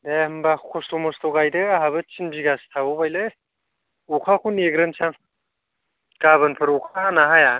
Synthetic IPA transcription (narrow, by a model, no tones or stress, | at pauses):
dehɯmbakʰkʰostomɔstoɡajdɯaɦabɯt͡ʃʰinbiɡast̪ʰabobajlɯ | ukʰakʰuneɡɾɯnsʰaŋ | kaβɯnpʰɯɾukʰanaɦaja